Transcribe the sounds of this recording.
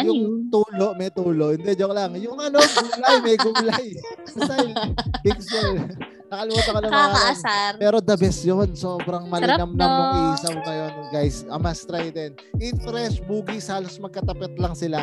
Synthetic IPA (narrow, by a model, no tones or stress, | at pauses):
jʊŋt̪uːlo̞ʔmɐjt̪uːlo̞ʔɪnd̪ɛd͡ʒoklɐŋjʊŋʔɐnoɡuɡlajmɐjɡuɡlɐjksajbɪksɛl | nɐkɐlɪmaːt̪ɐkɐloɐanmapɛːɾo̞d̪ɐbɛsjonsoːbɾɐŋmɐlɪɐmnɐŋmɐɡiiːsɐmŋɐjonɡajsʔɐmast̪ɾajd̪ɛn | ʔɪnt̪ɛɾɛsbuːɡishaːlosmɐɡ̚kɐt̪ɐpɛt̪̚lɐŋsɪla